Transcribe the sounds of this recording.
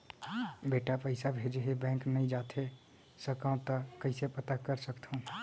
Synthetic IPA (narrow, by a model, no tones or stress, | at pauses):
beːʈapəɪsabʱeːd͡ʒɦebɛ̃ːŋknəĩd͡ʒaːt̪ʰe | səkãt̪əkəɪsepət̪akəɾsəkt̪ʰõ